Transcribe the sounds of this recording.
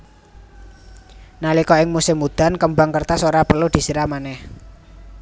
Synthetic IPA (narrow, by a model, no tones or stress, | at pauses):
nalikɔɪŋmusɪmːud̪̥a̤nkəmbaŋkərt̪asoɾapərlud̪̥i̤siɾamanɛh